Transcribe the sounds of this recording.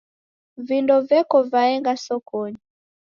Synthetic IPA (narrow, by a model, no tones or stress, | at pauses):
vindɔvɛkɔvaɛŋɡasɔkɔɲi